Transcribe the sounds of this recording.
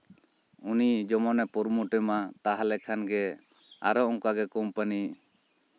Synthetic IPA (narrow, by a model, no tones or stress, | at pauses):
unid͡ʒɔmɔnɛpuɾmuʈɛmat̪aɦalɛkʰanɡɛ | a̰ɾɔʔɔŋkaɡɛkɔmpəni